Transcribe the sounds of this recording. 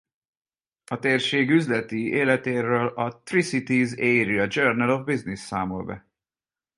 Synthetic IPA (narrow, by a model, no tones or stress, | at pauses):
ɒt̪eːrʃeːɡyzlɛt̪ieːlɛt̪eːɾøːlɒt̪risit̪izeːɾiɒd͡ʒøːrnɛlovbiznisːaːmo̰lbɛ̰